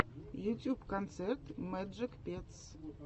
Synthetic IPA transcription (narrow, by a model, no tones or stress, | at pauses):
jutjubkʰɔnt̪t͡sɛrt̪mɛd͡ʒɪkpets